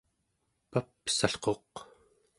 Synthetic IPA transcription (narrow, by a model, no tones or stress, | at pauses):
papsaɬqo̞q